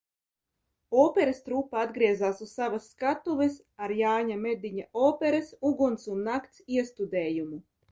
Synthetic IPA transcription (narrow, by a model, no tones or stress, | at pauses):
ɔːpɛɾast̪ɾuːpːaad̪ɡɾiɛzaːsussavasːkat̪uves | aɾjaːɲamed̪iɲaɔːpʲeɾasuɡunt̪sunːakt̪siɛst̪ud̪ɛːjumu